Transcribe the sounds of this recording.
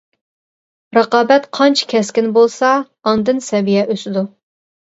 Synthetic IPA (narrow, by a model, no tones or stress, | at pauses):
ɾəqɑːbɛt̪qʰɑnt͡ʃʰɛ̥kʲʰɛskʲɪnbolˠsɑː | nd̪ɨnsɛvijɛʔøsɪd̪u